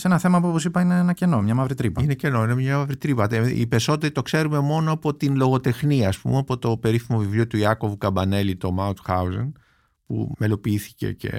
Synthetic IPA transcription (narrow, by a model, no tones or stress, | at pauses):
senɐθe̞mɐpuoposipɐineenɐce̞no̞mɲɐmɐvɾit̪ɾipɐinece̞no̞inemɲɐmɐvɾit̪ɾipɐt̪eḭpe̞so̞t̪e̞ɾit̪o̞kse̞ɾume̞mo̞noɐpo̞t̪inlo̞ɣo̞t̪e̞xniɐːspṵmeɐpo̞t̪o̞pe̞ɾifimo̞vivliot̪uiɐko̞vukɐbɐne̞lit̪o̞maut̪xɐuzɐ̰ŋ | pṵmelo̞piiθi̥ce̞̰ce̞̰